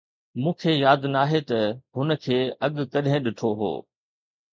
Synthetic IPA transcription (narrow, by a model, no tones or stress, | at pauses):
mũːkʰeːjaːd̪naːɦet̪ɐɦʊnə̆kʰeːɐɠkɐɗɦẽɗɪʈʰoɦo̰ː